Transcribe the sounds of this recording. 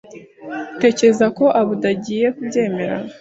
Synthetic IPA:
te̞ːcɾe̞zako̞ʔaβudaɟiːje̞kubɟe̞ːme̞ɾa̰

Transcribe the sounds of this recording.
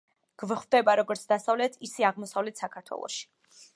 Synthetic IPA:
ɡ̥vχvd̪ɛbaɾɔɡɔɾt̪sʰd̪asavlɛt̪ʰisɛaʁmɔsavlɛt̪ʰsakʰaɾt̪ʰwɛ̰lˠɔ̰ʃi̥

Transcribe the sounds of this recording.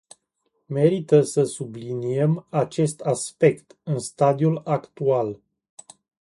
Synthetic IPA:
me̞ɾit̪əsəsubliniemat͡ʃe̞st̪aspe̞kt̪ɨnst̪ad̪iulakt̪ual

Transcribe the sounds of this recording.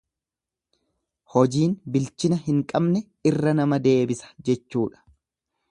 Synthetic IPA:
hɔd͡ʒiːnbɪlt͡ʃɪnɐɦɪŋkʼɐbnɛ | ɪrːɐnɐmɐd̪e̞ːbɪsɐ̥d͡ʒɛt͡ʃːuːᶑɐ̥

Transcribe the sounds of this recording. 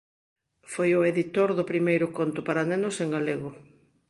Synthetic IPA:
fojʊeðit̪oɾðʊpɾimejɾʊkont̪ʊpaɾanenʊseŋɡaleɣʊ

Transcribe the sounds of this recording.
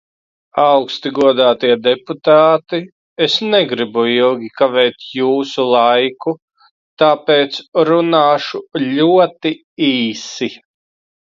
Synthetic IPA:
awkst̪iɡuɔd̪aːt̪iɛd̪ɛput̪aːt̪i | esnɛɡɾibuilˠɡʲikavɛːt̪juːsulˠajku | t̪aːpeːt̪sɾunaːʃulʲuɔt̪i | iːsi

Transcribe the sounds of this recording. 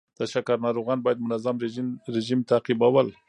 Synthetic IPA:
d̪̥əʃakaɾnɑɾoɣɑnbɑjad̪mʊnazamɾɾɪʒimt̪aqibawal

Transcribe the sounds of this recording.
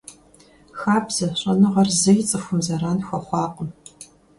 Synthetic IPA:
xaːbz̥ɐɕʼɐnɨʁɐrzɨjt͡sʼɨxʷʊmzɐɾaːnxʷɐχʷɑːqʼəm

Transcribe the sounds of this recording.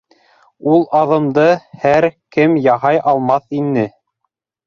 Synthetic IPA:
ulˠɑðɤ̆md̪ɤhæɾkɘmjɑɦɑjʔɑlˠmɑθinːɘ

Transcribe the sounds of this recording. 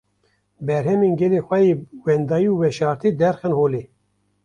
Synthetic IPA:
bɛɾhɛmeːnɡɛleːxʷɛjeːwɛnd̪ɑːjiuːwɛʃɑːɾt̪iːd̪ɛɾxɛnhoːleː

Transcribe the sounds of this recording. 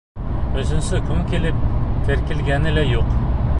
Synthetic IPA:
ɵzɪnsɪkʲʰʊmkʲʰelɪp̚t̪ʲʰeɾkʲɪlɡʲænɪlajoq

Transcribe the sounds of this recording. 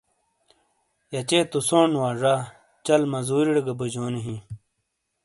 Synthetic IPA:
jɐt͡ɕet̪usoːnwaːʐaː | t͡ɕɐlmɐzuːɾiɽɐɡɐbud͡ʑoːniɦĩ

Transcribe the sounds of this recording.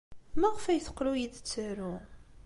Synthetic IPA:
mæʁfæjθə̥qːɾujid̪t͡sːəɾu

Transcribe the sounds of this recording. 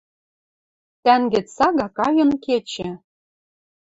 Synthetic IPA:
t̪æŋɡɘ̆t͡sɑɣɑkɑjɤ̆nket͡ɕɘ̆

